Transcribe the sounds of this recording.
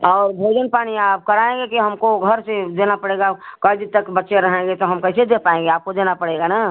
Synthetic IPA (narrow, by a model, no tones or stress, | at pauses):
ɔːɾbʱed͡ʒənpaːñiaːp̚kəɾaẽɡekiɦəmkoɡʱəɾsed̪enapəɽeɡakəjd̪it̪əkbətːʃeɾəɦẽɡet̪oɦəmkəɪsed̪epaẽŋɡeaːp̚kod̪enapəɽeɡanaː